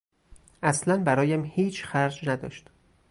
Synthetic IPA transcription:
ʔæslænbæɾɒːjæmhiːt͡ʃʰxæɾd͡ʒnæd̪ɒ̰ːʃt̪

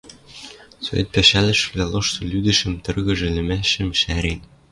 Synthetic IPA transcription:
so̰ḛt̪̚pæʃælɘ̆ʃvlælˠɤʃt̪ɤ̆lʲyd̪ɘ̆ʃɘ̆mt̪ɤ̆rɣɤ̆ʒɘ̆lʲɘ̆mæɕɘ̆mʃæɾen

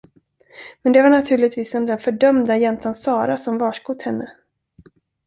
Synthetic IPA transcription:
mɛnd̪ɛvaɳat̪ʰʉ̟ːɭɪt̪viːsɛnd̪ɛnfœɖœmd̪ajɛnt̪ansɑːɾasɔmvɑːʂɡut̪hɛnːə

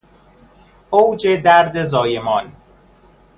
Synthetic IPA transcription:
owd͡ʒed̪æɾd̪ezɒːjemɒːn

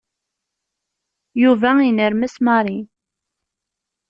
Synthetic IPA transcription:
juvæinəɾmæsmɑɾˤi

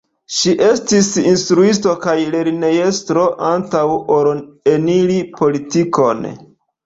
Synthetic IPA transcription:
ʃiʔe̞stisinstɾuisto̞kajle̞ɾne̞jestɾo̞ʔantawoɾenilipo̞litiko̞n

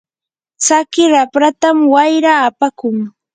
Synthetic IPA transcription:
t͡sakɪɾapɾat̪amwajɾaːpakʊŋ

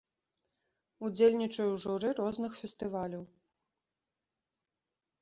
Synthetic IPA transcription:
ud͡zʲelʲnʲit͡ʂɐjuʐuɾɨɾɔznɨxfʲɛst̪ɨvalʲɐw

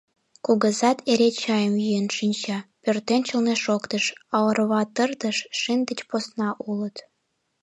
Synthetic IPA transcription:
kuɣəzɑt̪ʰeɾet͡ɕɑjəmjyjənʃinʲt͡ɕɑpørt̪ent͡ɕəlneʃokt̪əʃɑlərβɑt̪ərt̪əʃʃind̪ə̆t͡ɕposnɑʔulət̪

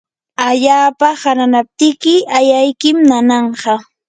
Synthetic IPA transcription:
aʎaːpahaɾanap̚t̪ɪkɪajajkɪmnanɑɴɢɑ

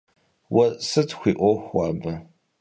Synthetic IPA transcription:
wɐsɨtʰxʷiːʔʷɔxʷaːbɐ

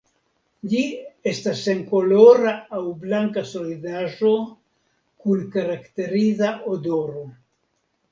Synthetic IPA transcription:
lie̞stase̞ŋko̞lo̞ɾaːwblaŋkaso̞lidaʒo̞ | kunkaɾakte̞ɾizaʔodo̞ɾo̞

